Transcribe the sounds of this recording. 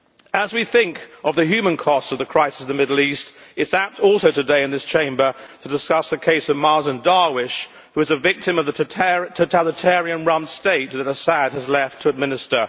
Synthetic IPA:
əzwiθɪ̃ŋkʌvðɨɦjʉmɨ̃nkʰɔstsʌvðɨkʰɹ̥aɪsə̥sn̩ðɨmɪdˡl̩ˠistɨtsæp̚tɔlˠsoʊɾɨdeɪɨ̃nðɪst͡ʃʰẽɪ̃mbə˞ɾʰɨdɨskʌsðɨkʰeɪsʌvmɑɹzɨ̃ndɑɹwɪʃ | hʉɨzɨvɪk̚tɨ̃mʌvðɨtʰɛɹtʰoʊtʰælˠɨtʰɛɹiɨ̃nɹʌ̃msteɪt̪̚ðɨɾəsæd̚ɨzlɛftʰəɨd̚mɪ̃nɨstə˞

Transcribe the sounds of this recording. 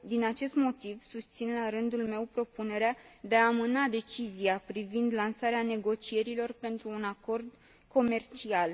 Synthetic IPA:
d̪inat͡ʃe̞st̪mo̞t̪ivsust̪sinlaɾɨnd̪ulme̞wpɾo̞pune̞ɾead̪e̞aːmɨnad̪e̞t͡ʃiziapɾivind̪lansaɾeane̞ɡo̞t͡ʃie̞ɾilo̞rpe̞nt̪ɾuːnako̞rd̪ | kʰo̞me̞rt͡ʃial

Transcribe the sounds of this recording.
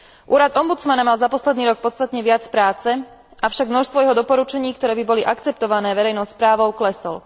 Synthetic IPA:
ʔuːɾad̪ɔmbut͡smanamalzapɔslɛd̪niːɾɔk̚pɔt͡st̪at̪ɲɛʋɪat͡spɾaːt͡sɛ | ʔafʃaɡmnɔʃst̪ʋɔjɛɦɔd̪ɔpɔɾut͡ʃɛɲiːkt̪ɔɾɛːbibɔliʔakt͡sɛp̚t̪ɔʋanɛːʋɛɾɛjnɔʊspɾaːʋɔʊklɛsɔl

